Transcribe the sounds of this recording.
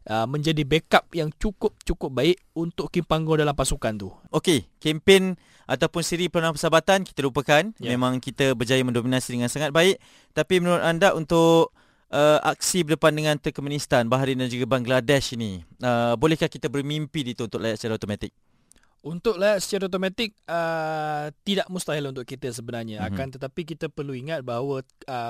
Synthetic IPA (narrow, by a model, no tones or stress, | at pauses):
əmə̃ɲd͡ʒadibekap̚jaŋt͡ʃukʊp̚t͡ʃukʊp̚baɪʔunt̪ʊʔkimpaŋɡɔdalampasukant̪uokekempɪn | ʔat̪awpʊnsiɾipəlonãhpəsabat̪anki̥t̪əlupəkanjmẽmãŋkit̪əbərd͡ʒajəmə̃ndominasidəŋãnsaŋat̪̚baɪʔ | t̪apimənuɾʊt̪andaʔunt̪ʊʔ | əʔa̰k̚sibərdəpandəŋãnt̪əkomunist̪anbaɦaɾindand͡ʒuɡabaŋɡladɛʃiniəbolɛhkahkit̪əbərmimpidit̪uːnt̪ʊk̚ʔlajat̪sə̥t͡ʃaɾat̪omat̪ɪk̚ | unt̪ʊk̚lajasə̥t͡ʃaɾaot̪̬omãt̪ɪk̚ə | t̪idaʔmust̪aɦalunt̪̬ʊʔkit̪əs̬əbənarɲãakant̪ət̪apik̬it̪əpərluiŋat̪̚baɦawəə